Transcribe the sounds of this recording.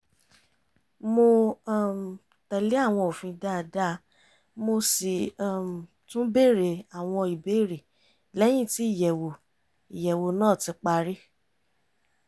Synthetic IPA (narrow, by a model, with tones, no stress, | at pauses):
mo˧˦˨m˨ | tɛ˧le˦a˦˨w̃ɔ̃˧o˨fĩ˧da˦˧˨da˦ | mo˧si˨˦˨m˨ | tũ˦be˦˨ɾe˨a˨w̃ɔ̃˧i˨be˦˨ɾe˨ | lɛ˦j̃ĩ˦˨ti˨˦i˦˨jɛ˨wo˨ | i˨jɛ˨wo˨nãː˦˨ti˧˦k͡pa˧ɾi˦